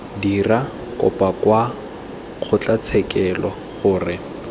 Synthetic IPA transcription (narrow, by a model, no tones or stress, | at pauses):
dira | kɔ̰pʼakwa | q͡χʰʊt͡ɬat͡sʰɛkɛlɔ | χʊːrɪ